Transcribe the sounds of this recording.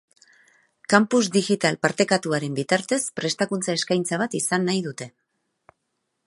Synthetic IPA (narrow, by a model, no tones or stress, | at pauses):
kampuzd̪iɣit̪alpaɾt̪e̞kat̪uaɾe̞mbit̪aɾt̪e̞spɾe̞st̪akunt͡sae̞skajnt͡saβ̞at̪isanːajðut̪e̞